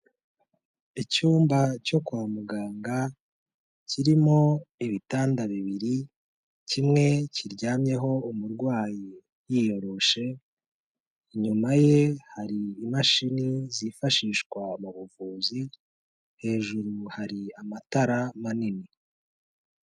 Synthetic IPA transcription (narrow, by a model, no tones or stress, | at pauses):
icuːmbaco̞kuβamuɡaːŋɡa | ciɾimo̞iβitaːndaβiβiɾi | cimŋe̞ciɾɟaːmɲe̞ɦo̞umuɾɡwaːji | jijo̞ɾo̞ʃe̞ | ɲumaje̞haɾiːmaʃinizifaʃiːʃkwamuβuvuːzi | he̞ːʒuɾuhaɾiamataɾamanini